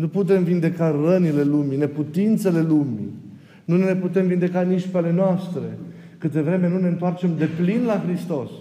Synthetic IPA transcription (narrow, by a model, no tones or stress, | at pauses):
nuput̪̬e̞mvind̪e̞karənile̞lumine̞put̪int̪se̞le̞lumḭ | nunne̞put̪e̞mvind̪e̞kaniʃpale̞noast̪ɾe̞ | kɨt̪d̪e̞vɾe̞me̞nune̞ɨnt̪oart͡ʃe̞md̪e̞plinlaxɾist̪o̞s